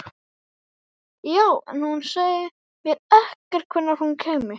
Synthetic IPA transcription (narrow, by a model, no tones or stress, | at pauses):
jaːwɛ̰nhunseːjjɪ | mjɛɾɛhkaɾ̥kʰvʏnːaɾ̥hunkʰɛːmɪ